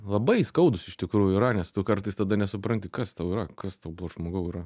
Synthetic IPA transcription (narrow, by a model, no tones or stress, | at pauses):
lˠɐbɐɪskɐʊd̪ʊsɪʃt̪ʲɪkɾuːjʊiɾɐnʲɛst̪ʊkɐrt̪ɐɪst̪ɐd̪ɐnʲɛsʊpɾɐnʲt̪ʲɪkɐst̪ɐʊɪɾɐkɐst̪ɐʊblˠoːʒmoːɡɐʊɪɾɐ